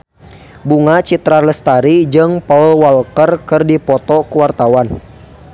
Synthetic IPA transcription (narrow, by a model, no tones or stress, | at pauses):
buŋat͡ʃit̪ɾarləst̪aɾid͡ʒɨŋpaulwalkərkɨrdipɔt̪ɔkuwart̪awan